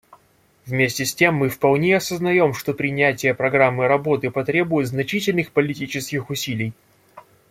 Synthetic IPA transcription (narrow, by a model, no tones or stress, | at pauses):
vmʲesʲtʲɪsʲtʲe̞mːɨfpɐlˠnʲejɐsəznɐjo̞mʂt̪o̞pɾʲɪnʲætʲɪjəpɾɐɡɾamːɨɾɐbo̞t̪ɨpɐt̪ɾʲe̞bʊjʊt̪znɐt͡ɕitʲɪlʲnɨxpəlʲɪtʲit͡ɕɪskʲɪxʊsʲilʲɪj